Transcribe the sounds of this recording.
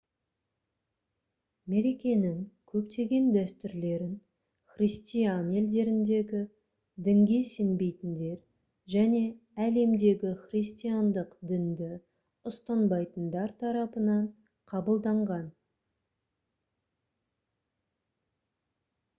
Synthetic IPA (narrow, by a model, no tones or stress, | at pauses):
me̞ɾe̞kʲe̞nɪŋkʲʰɵpt̪e̞ɡʲe̞nd̪æst̪ʏɾle̞ɾɪn | χrist̪ijane̞ld̪e̞ɾɪnd̪e̞ɡʲɪ | d̪ɪŋɡʲe̞se̞nbe̞jt̪ɪnd̪e̞ɾ | ʒæne̞ | æle̞md̪e̞ɡʲɪχrijst̪ijand̪əqd̪ɪnd̪ɪ | ʊst̪ɑnbɑjt̪ənd̪ɑɾt̪ʰɑɾɑpənɑɴ | qʰɑbəlˠd̪ɑɴʁɑn